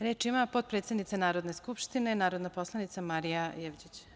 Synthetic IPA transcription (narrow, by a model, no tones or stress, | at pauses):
ɾe̞ːt͡ʃimapo̞t̪̚pɾet̪sed̪nit̪sanaːɾo̞d̪ne̞skupʃt̪ine̞naːɾod̪naposlˠanit̪samaɾijajeʋd͡ʑit͡ɕ